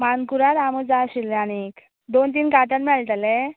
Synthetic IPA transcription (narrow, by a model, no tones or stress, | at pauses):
mankuɾat̪aməd͡zaɕilːañik | d̪ont̪iːnkaʈ̪at̪mɛɭt̪alɛ